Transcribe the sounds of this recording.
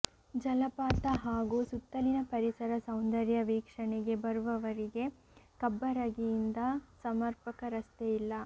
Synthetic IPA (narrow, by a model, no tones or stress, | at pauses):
d͡ʒɐlɐpaːt̪ɐɦaːɡuːsut̪ːɐlinɐpɐɾisɐɾɐsɐwnd̪ɐɾjɐʋiːkʂɐɳeɡe̞bɐɾuʋɐʋɐɾiɡe̞ | kɐbːɐɾɐɡijind̪ɐsɐmɐɾpɐkɐɾɐst̪eilːɐ